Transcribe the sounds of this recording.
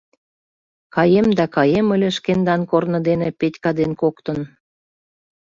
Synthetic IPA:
kɑjemd̪ækɑjemə̆lʲĕʃkend̪ɑnkornɤ̆d̪enepetʲkɑd̪enkokt̪ə̆n

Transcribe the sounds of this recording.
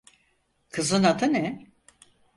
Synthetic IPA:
kʰɯzɯnat̪ʰɯnɛ

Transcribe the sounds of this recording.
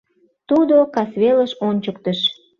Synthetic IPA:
t̪ud̪okɑsβeləʃonʲt͡ɕəkt̪əʃ

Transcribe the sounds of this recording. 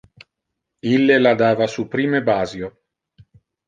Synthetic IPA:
ilːelad̪aːvasupɾiːmebaːzjo

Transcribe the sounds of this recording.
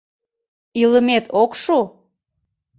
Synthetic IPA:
iləmet̪okʃu

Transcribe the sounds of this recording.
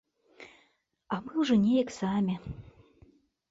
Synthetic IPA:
ɐmɨwʐɔnʲejɐksamʲi

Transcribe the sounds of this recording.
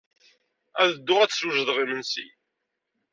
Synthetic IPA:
æðəd̪ːʊʁæt͡sːsuʒðˤʁimənsḭ

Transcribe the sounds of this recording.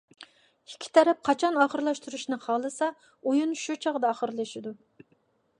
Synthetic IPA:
ikʲʰːi̥t̪ʰɛɾɛp̚qʰɑt͡ʃʰɑnɑχəɾlˠɑʃt̪ʰuɾuʃnɨqʰɑlˠɨsɑ | ujunʃut͡ʃʰɑʁd̪ɑɑχəɾlˠɨʃɪd̪u

